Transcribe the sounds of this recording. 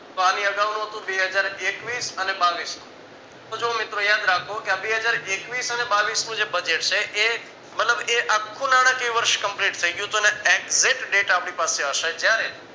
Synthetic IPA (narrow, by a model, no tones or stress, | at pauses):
t̪oanĩəɡaʋnũɦət̪ũbeɦəd͡ʒaɾekʋiːsənebaʋisnũ | t̪od͡ʒomɪt̪ɾojad̪ɾakʰokeabeɦəd͡ʒaɾekʋiːsənebaʋisnũd͡ʒebəd͡ʒeʈ̚t͡ʃʰeʔe | mət̪ləbeʔakʰːũnaɽ̃ə̃keiʋəɾʃkəmpliʈt̪ʰəiɡjũt̪oeneekzɪʈɖeʈapɽ̃ipaseəʃed͡ʒjaɾe